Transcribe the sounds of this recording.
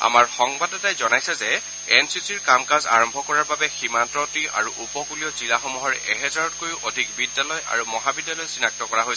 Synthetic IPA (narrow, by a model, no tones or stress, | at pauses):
a̰maɹxɔŋbadɔtajzɔnajsɛzɛ | ɛnsisiɹkamkaza̰ɹɔmbʱɔkɔɹaɹbabɛximantɔtia̰ɹuʔupɔkuliɔzilaxɔmuɦɔɹɛʔɛɦɛzaɹɔt̚kojuʔodʱikbidːjalɔjʔa̰ɹumɔɦabidːalɔjsinak̚tɔkɔɹaɦojs